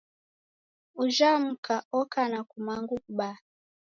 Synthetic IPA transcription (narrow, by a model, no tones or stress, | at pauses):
uʒam̩kʰaɔkanakumaŋɡuɓa